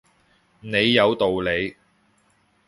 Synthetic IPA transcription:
ne˨˧jːɐ˨˧wt̪o˨wle˨˧j

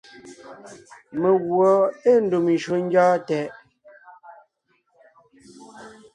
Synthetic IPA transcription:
me˨ɣwɔ˨e˦˨n̩˦du˨m˨ʃu˨˦ŋ̩˦ɡjɔː˦tɛ˨ʔ

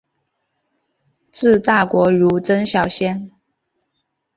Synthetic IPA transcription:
t͡sɹ̩˥˧t̪a˥˩kwɔ˧˥ɻu˧˥ʈ͡ʂə˥nɕjɑ˨˩ʊɕjɛ˥n

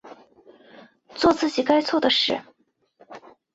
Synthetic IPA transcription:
t͡swɔ˥˧t͡sʰɹ̩˥˩t͡ɕi˨˩ka˥ɪt͡sʰwɔ˥˩d̪ə˩ʂɻ̩˥˩

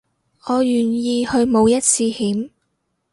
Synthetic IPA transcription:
ŋɔː˨˧jyː˨˩njiː˧hɵ˧ɥmo˨˧wjɐ˥t̚t͡sʰiː˧hiː˨˥m

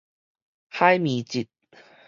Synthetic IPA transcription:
ha˦˥jmi˨˦t͡ɕi˨˩t̪̚

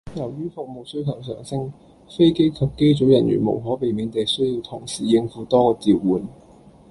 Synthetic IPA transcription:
jɐ˨˩wjyː˥fʊ˨k̚mo˨wsɵ˥ɥk̪ʰɐ˨˩ws̬œ̰ː˨˩ŋsɪ˥ŋ | fe˥jke˥jkʰɐ˨˧p̚ke˥jt͡so˨˥wjɐ˨˩nɥy̰˨˩nmo̰˨˩wɦɔː˨˥pe˨˧jmiː˨˧˥nt̪e˨jsɵ˥ɥjiː˧wt̪ʰʊ˨˩ŋsiː˨˩jɪ˧ŋfuː˨˥t̪ɔː˥kɔː˧t͡siː˨˧wːuː˨˩n

